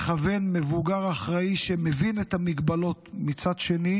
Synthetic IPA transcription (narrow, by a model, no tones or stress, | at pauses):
χave̞nmevuɡaʁaχʁaiʃemevinetamiɡbalo̞tmit͡sad̪ʃe̞ni